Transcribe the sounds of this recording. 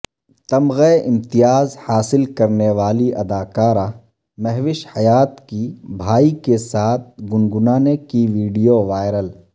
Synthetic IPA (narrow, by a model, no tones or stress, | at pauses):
t̪ɐmɣeʔɪ̃mt̪ɪjaːzhaːsɪlkɐɾneʋaːliɐd̪aːkaːɾã | mɛɦʋɪʃhɐjaːt̪kibʱaːikesaːt̪̚ʰɡʊnɡʊnaːnekiʋiːɖijoʋaːɪɾəl